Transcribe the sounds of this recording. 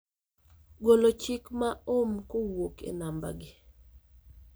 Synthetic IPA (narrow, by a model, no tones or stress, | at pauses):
ɡolot͡ʃɪkmaomkowokʰḛnamba̰ɡɪ